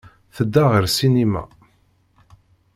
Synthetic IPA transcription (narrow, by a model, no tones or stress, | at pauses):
θəd̪ːaʁəɾsinimæ̰